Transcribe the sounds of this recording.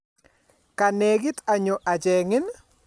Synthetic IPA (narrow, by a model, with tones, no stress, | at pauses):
ka˨ne˨ɡɪ˦ta˨ɲo˨ʔa˨d͡ʒɛ˨ŋɪ˦n